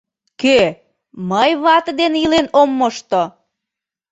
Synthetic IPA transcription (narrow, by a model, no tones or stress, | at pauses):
kø | məjβɑt̪əd̪enilenomːoʃt̪o